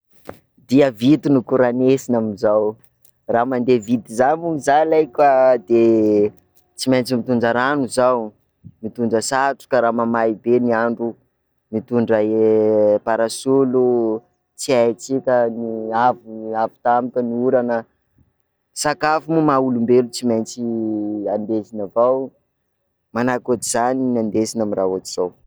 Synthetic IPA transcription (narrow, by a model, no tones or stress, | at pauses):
d̪iəvit̪unukuɾanesinamizaw | ramand̪evit̪izanmunizalajkʲad̪e | t͡simajnt͡simit̪uɳd͡ʒaɾanuzaw | mit̪uɳd͡ʒəsaʈ͡ʂu̥kaɾamamajibeniaɳɖ͡ʐu | mit̪uɳɖ͡ʐaepaɾasulu | t͡siajt͡sikʲəniavuavu̥t̪amikʲəniuɾanə | sakafumumaulumbelut͡simajnt͡siand̪ezinavaw | manakot̪iz̥aninand̪esinamiraot̪iz̥aw